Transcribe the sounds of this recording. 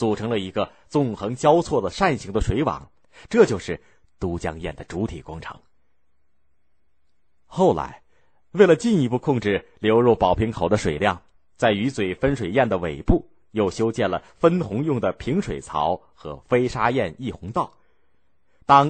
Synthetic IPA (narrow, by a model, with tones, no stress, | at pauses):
t͡su˨˩ʈ͡ʂʰɤ˧˥ŋlə˧i˧˥ɡə˧ | t͡sʊ˥˩ŋxɤ˧˥ŋt͡ɕjɑ˥ʊt͡sʰwɔ˥˩d̪ə˩ʂa˥˩nɕi˧˥ŋd̪ə˧ʂwe˧˥ɪwɑ̰˨˩˦ŋ | ʈ͡ʂɤ˥˧˩t͡ɕjo˥˧ʂɻ̩˥˩ | t̪u˧˥t͡ɕjɑ̰˥ŋjɛ˥˩nd̪ə˩ʈ͡ʂu˧˥t̪ʰḭ˨˩kwɑ˥ŋʈ͡ʂʰɤ̰˧˥ŋ | xo˥˩ʊla̰˧˥ɪ | we˥˩ɪlə˩t͡ɕi˥˧ni˧˥pu˥˧kʰʊ˥˧ŋʈ͡ʂɻ̩˥˩ljo˧˥ʊɻɔ˥˩pɑ˨˩ʊpʰi˧˥ŋkʰo˨˩ʊd̪ə˦ʂwe˨˩ɪljɑ˥˩ŋ | t͡sa˥˩ɪy˧˥t͡swe˨˩ɪfə˥nʂwe˨˩ɪjɛ˥˩nd̪ə˩we˨˩ɪpu˥˩ | jo˥˩ʊɕjo˥ʊt͡ɕjɛ˥˩nlə˩fə˥nxʊ˧˥ŋjʊ˥˩ŋd̪ə˩pʰi˧˥ŋʂwe˨˩ɪt͡sʰɑ̰˧˥ʊ | xɤ̰˧˥fe˥ɪʂa˥jɛ˥˧ni˥˩xʊ˧˥ŋt̪ɑ˥˩ʊ | t̪ɑ˥ŋ